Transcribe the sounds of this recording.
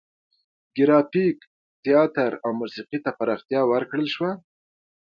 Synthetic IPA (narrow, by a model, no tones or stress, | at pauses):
ɡɪɾɑpik | t̪jɑt̪əɾawmusiqit̪apaɾɑxt̪jɑwəɾkɽəlʃwa